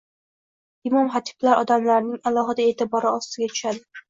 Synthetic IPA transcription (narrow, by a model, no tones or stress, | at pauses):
ɪmɒmχat̪ʰɪ̥blaɾʔɒd̪amlaɾnɪŋalˠɒχɨd̪ae̞ːt̪ʰɪbɒɾɪɒst̪ɪɡʲat̪ʰʊ̥ʃad̪ɪ